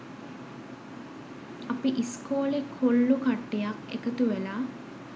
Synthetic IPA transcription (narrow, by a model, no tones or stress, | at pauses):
ɐpiʔiskoːlekʰːolːukaʈːijakḛkət̪uʋelaː